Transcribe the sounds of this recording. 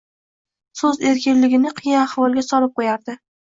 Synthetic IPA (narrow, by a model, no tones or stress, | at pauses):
sɵze̞ɾkʲɪnlɪɡʲɪnɪqʰɨjaahvɒlˠɡʲasɒlɪp̚qʰojaɾd̪ɪ